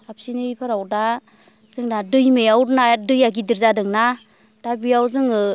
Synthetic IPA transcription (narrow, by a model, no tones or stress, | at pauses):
ap̚sinɯjpʰaɾawda | z̥ɯŋnadɯjmejawɾnadɯjaɡidiɾzadɯŋna | d̥abijawzɯŋɯ